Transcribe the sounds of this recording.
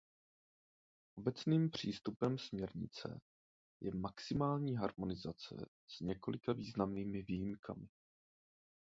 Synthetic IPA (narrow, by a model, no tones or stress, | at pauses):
ʔo̞bɛt͡sniːmpr̝̥iːst̪upɛmsmɲɛɾɲɪ̰t͡sɛ̰ | jʔɛmaksɪmaːlɲiːɦaɾmo̞nɪzat͡sɛ̰ | z̥ɲɛko̞lɪkaviːznamniːmɪviːjɪmkʰa̰mɪ